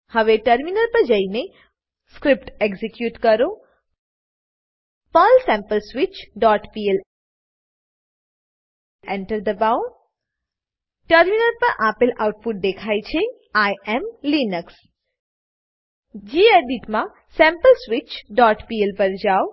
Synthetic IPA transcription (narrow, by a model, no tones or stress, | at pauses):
hɐʋeʈəɾminəɾpəɾd͡ʒəine | skɾɪp̚ʈeɡzikjuːʈkəɾo | pəlsɛ̃mpəlsʋit͡ʃɖɔːʈpiel | eɳʈəɾd̪əbao | ʈəɾminəɾpəɾʔaːpɪlawʊʈ̚pʊʈ̚d̪ekʰajt͡ʃʰe | ajɛmlinəks | d͡ʒieɖiʈmã | sɛ̃mpəlsʋit͡ʃɖɔːʈpiːelpəɾd͡ʒaːo